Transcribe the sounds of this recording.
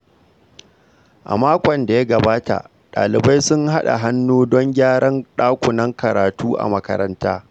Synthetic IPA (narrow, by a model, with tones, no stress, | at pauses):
ʔa̰˨maː˦kʷɔ˨nda˨ja˦ɡɐ˨baː˦ta̰˨ʔ | ɗa̰ː˨lɪ˨ba˦jsʊ˦ŋɦa˦ɗa̰˨ɦa˦nːuː˦dɔ˦ŋɡʲaː˦ɽɐ˦nɗaː˦kʷʊ˨nɐ˦ŋkɐ˨ɾaː˨tuː˦ʔa̰˨mɐ˦kɐ̰˦ɾɐ˦ntaː˦